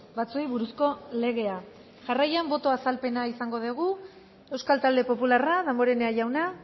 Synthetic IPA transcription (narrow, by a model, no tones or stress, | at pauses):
bat͡suejβuɾusko̞le̞ɣ̞e̞a | ʝarajambo̞t̪o̞asalpe̞naisaŋɡo̞ð̞eɣ̞u | e̞wskalt̪ald̪e̞po̞pularaðamoɾe̞neaʝawna